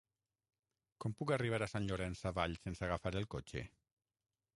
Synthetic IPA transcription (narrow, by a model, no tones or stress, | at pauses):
kɔmpukariβ̞aɾasanʎoɾɛnsaβaʎsensaɣafaɾelˠkot͡ʃḛ